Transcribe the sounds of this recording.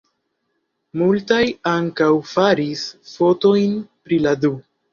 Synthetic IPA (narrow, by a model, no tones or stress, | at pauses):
multajaŋkawfaɾisfo̞to̞jnpɾiladu